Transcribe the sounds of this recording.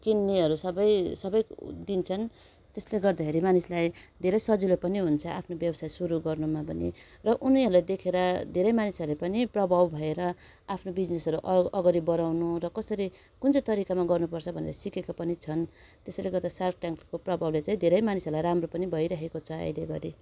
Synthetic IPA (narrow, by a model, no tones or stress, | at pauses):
kinːiɦʌɾusʌbʌjsʌbʌjd̪int͡sʰʌn | t̪esleɡʌrd̪akʰeɾimanislajd̪ʱeɾʌjsʌd͡zilopʌniɦunt͡sʰʌʔapʰnobjʌbʌsajsuɾuɡʌrnumapʌnḭ | rʌʔuniɦʌɾulajd̪ekʰeɾʌd̪ʱeɾʌjmanisʌɾlepʌniprʌbʱawbʱʌeɾʌ | apʰnobid͡znesʌɾuʔʌɡʌɾibʌɾawnurʌkʌsʌɾi | kunt͡sʌjt̪ʌɾikamaɡʌrnupʌrt͡sʰʌbʱʌnḛɾʌsikekapʌnit͡sʰʌnt̪esaleɡʌɾd̪asark̚ʈjaŋkkoprʌbʱawlet͡saĩd̪ʱeɾʌjmanisʌɾulajɾamropʌnibʱʌjɾʌɦekot͡sʰʌa̰jleɡʌɾi